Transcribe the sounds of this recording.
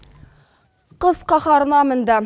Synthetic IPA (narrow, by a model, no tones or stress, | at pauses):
qɤzqɑχɑɾnɑmɘ̆nd̪ɑ